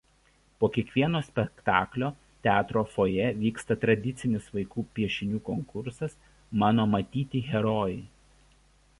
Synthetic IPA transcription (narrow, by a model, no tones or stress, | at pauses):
poːkʲiɛkʋʲiɛnoːsʲpʲɛkt̪ɑːklʲoː | t̪ʲæːt̪ɾoːfoːjɛʋʲiːkst̪ɐt̪ɾɐd̪ʲɪt̪sʲɪnʲɪsʋɐɪkuːpʲiɛʃʲɪnʲuːkɔŋkʊɾsɐs | mɑːnoːmɐt̪ʲiːt̪ʲiːɣʲɛɾoːjɛɪ